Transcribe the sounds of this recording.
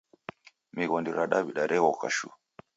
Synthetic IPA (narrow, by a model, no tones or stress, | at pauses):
miɣɔndiɾaɗabiɗaɾʔɛɣɔka̰ʃṵ